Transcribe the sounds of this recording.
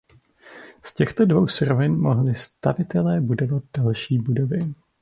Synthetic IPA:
scɛxt̪o̞dvo̞wsɾovɪnmo̞ɦlɪst̪avɪt̪ɛlɛːbudo̞vat̪̚d̥alʃiːbudovɪ

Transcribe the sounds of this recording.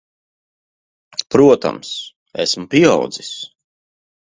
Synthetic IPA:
pɾuɔt̪a̰ms | æ̰smpia̰wd̪zis

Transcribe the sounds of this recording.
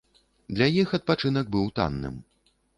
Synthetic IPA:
d̪lʲajixɐt̪̚pat͡ʂɨn̪ɐɡ̚bɨwt̪a̰nːɨ̰m

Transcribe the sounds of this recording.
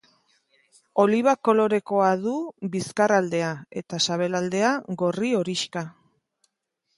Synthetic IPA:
o̞liβ̞ako̞lo̞ɾe̞ko̞aðuβiskarald̪e̞ae̞t̪asaβe̞lald̪e̞aɣo̞rio̞ɾiʃka

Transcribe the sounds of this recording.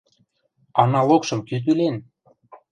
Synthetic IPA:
ɑnɑlokʃɤ̆mkyd̪ylen

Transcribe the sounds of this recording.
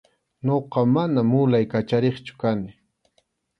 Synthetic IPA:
noqɑmanamʊlajkat͡ʃaɾeχt͡ʃʊ̥kanɪ

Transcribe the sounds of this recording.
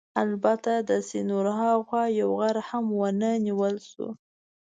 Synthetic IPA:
albat̪ad̪əsinoɾɦɑxwɑjawɣaɾhamwənəniwəlʃṵ

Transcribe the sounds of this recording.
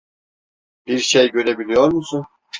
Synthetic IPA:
b̥iɾʃejɟøɾebilijɔɾmusu

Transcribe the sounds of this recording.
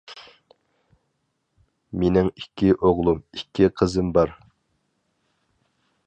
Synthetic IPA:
menɪŋikʲʰːiʔoʁlˠumikʲʰːiqʰəzɨmbɑɾ

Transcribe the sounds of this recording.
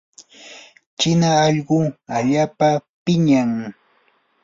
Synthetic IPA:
t͡ʃɪnaːʎɢʊaʎaːpapɪɲaŋ

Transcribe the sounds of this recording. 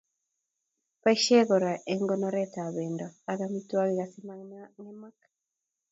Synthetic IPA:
paiʃɛɣɔɾaʔeŋɡɔnɔɾɛtaβɛndɔaɣamitwaɣiɣasimanɛmak

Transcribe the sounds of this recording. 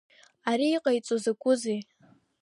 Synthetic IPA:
aɾiːqʼajt͡sʼozakʷʼʊze

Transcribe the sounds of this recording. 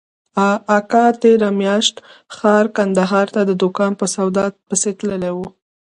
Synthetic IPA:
ɑːkɑt̪eɾamjɑʃt̪xɑɾkand̪aɦɑɾt̪ad̪əd̪ʊkɑnpəsawd̪ɑpəset̪ləlewu

